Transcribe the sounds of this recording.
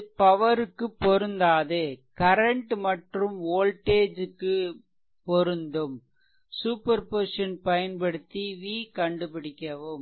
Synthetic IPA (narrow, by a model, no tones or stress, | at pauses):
pɐʋɐɾɯkːɯpːɔɾɯnd̪aːðɯkɐɾɐɳʈmɐʈrɯmoːlʈeːd͡ʒɯkːɯ | pɔɾɯnd̪ɯm | suːpɐɾpɔɾʂɐnpɐjɐnpɐɽɯt̪ːiʋiːkɐɳɖɯpɪɽɪkʲːɐʋɯm